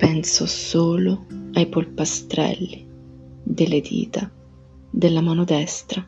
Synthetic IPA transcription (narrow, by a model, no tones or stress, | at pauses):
pɛnsosoːloajpolpast̪ɾɛ̰lːi | d̪elːed̪ḭːt̪a | d̪elːamaːnod̪ɛst̪ɾa